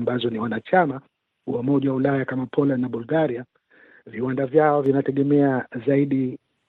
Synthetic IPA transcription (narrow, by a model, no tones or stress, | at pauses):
mbazɔniwanat͡ʃama | wamɔʄawaulajakamapʰɔlandnaɓulɡaɾia | viwandavjaɔvinatɛɠɛmɛazaiɗi